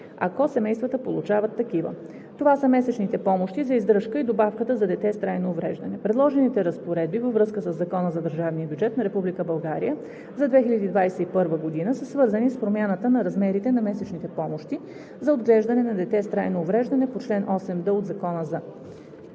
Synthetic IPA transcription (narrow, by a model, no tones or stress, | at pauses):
ɐkɔsɛmɛjst̪vət̪əpo̰lˠut͡ʃavət̪ːɐkivə̰ | t̪ovasəmɛsɛt͡ʃnit̪ɛpɔmoʃt̪izɐizd̪ɾɤʃkəid̪obafkət̪əzɐd̪ɛt̪ɛst̪ɾajnoːvɾɛʒd̪ɐnɛpɾɛd̪lˠɔʒɛnit̪ɛɾɐspoɾɛd̪̚bivəvɾɤskəsəzːɐkɔnəzɐd̪əɾʒavnijəbʲjud͡ʒɛt̪nɐɾɛpublikəbɐlˠɡaɾḭjə | zɐd̪vɛxiʎʲəd̪iːd̪vajsɛipɤɾvəɡod̪inəsəsvɤɾzənispɾomʲjanət̪ənɐɾɐzmɛɾit̪ɛnɐmɛsɛt͡ʃnit̪ɛpɔmoʃt̪i | zɐod̪ɡlɛʒd̪ɐnɛnɐd̪ɛt̪ɛst̪ɾajnoːvɾɛʒd̪ɐnɛpot͡ʃlɛnʔɔsɛmd̪əod̪zɐkɔnəza